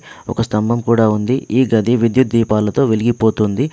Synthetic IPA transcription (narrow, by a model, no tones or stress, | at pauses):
ɔ̰kɐst̪ɐmbʱɐmkuːɽaːund̪iʔiːɡɐd̪ʱiʋid̪jut̪̚d̪iːpaːlɐt̪o̞ːʋeliɡipo̞ːt̪und̪i